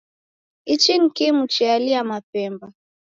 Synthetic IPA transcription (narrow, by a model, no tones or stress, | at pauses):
it͡ʃinkimut͡ʃialiamapɛmba